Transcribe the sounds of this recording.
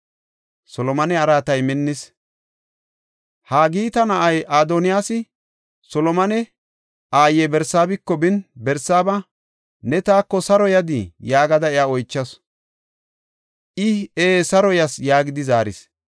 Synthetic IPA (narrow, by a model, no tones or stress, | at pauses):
sɔlɔmɐnɛɐɾaːt̪ɐjmɪnːɪs | haːɡiːt̪ɐnɐʔɐjʔaːd̪ɔnɪjaːsɪ | sɔlɔmɐnɛ | ʔaːjɛbɛɾsaːbɪkːɔbɪnbɛɾsaːbɐ | nɛt̪aːkːɔsɐɾɔjɐd̪ɪjaːɡɐd̪ɐɛjaːɔjt͡ʃːɐs | ʔɪeːsɐɾɔjɐsjaːɡɪd̪ɪzaːɾɪ̰s